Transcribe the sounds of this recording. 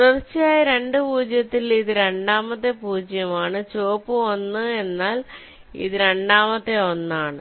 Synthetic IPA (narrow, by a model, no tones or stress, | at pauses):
rɐrt͡ɕːijaːjɐɾe̞ɳɖɨpuːd͡ʑjɐt̪ːiliðɨɾe̞ɳɖaːmɐt̪ːe̞puːd͡ʑjɐmaːɳɨt͡ɕoːpːɨonːɨe̞nːaːl | ḭðɨɾe̞ɳɖaːmɐt̪ːe̞o̞nːaːɳɨ